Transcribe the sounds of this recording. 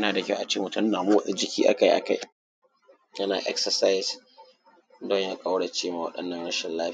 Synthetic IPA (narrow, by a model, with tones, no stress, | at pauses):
naː˨da˨kʲʔa˨t͡ʃeː˦mʊ˨tʊ˦n˦naː˨mu˦wɐ˦ʔe˦d͡ʒɪ˦kʲḭː˦ʔa̰˦ka˦ji˦ʔa̰˨ka˦j | jɐ˦na̰ː˨ʔɛ̰˦ksɐ˨sa˦js | dɔ˦ɲja˦kʼa˦wɽa˨t͡ʃeː˦maː˨wɐ˦ɗɐ˦nːɐ˦˨nɽɐ˦ʃɛ˨nlaː˦ɸ